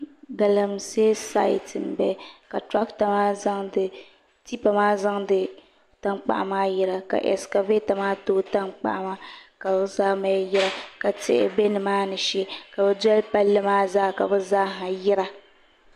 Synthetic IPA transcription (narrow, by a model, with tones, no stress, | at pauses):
ɡa˨la˨m˨se˦sa̰˦˨tɨ˨nbɛ˨˦ka˨tɾa˦kta˨maː˦za˦ŋdɨ˨ | ti˦pa˨maː˦za˦ŋdɨ˨ | ta˦ŋk͡pa̰˨ʔa̰˨maː˦jɛ˦ɾa˨ka̰˨ʔɛ̰˨ska˨ve˦ta˨maː˦toː˦ta˦ŋk͡pa̰˨ʔa˦ma˦ka˨˦zaː˦ma˨˦jɪ˦ɾa˦ka˨tɪ̰˦ʔɪ̰˦be˦nɨ˨maː˦nɨ˨ʃɛ˦ka˨bɛ˦dɛ˦lpa˦lːɨ˦maː˦zaː˦˨ka˨bɛ˦za˦ɦa˨jɪ˦ɾa˦